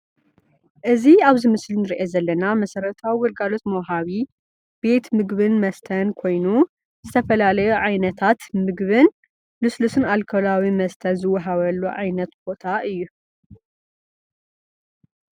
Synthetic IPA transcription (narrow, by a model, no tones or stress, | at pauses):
ʔɨziaβzɨmɨslnɨɾiʔezɐlːɐnamɐsɐɾɐt̪ʰawiwɔlɡalo̞t̪mɐwɦaβi | b̥e̞t̪mɨɡβɨnmɐst̪ʰɐnkʰo̞jnu | z̥ɨt̪ʰɐfɐlalɐjuʕajnɐt̪ʰat̪mɨɡβɨn | lɨslusɨnalkʰolawimɐst̪ʰɐnzɨwːɐɦaβɐlːuʕajnɐt̪b̥o̞t̪ʰaʔɨjːu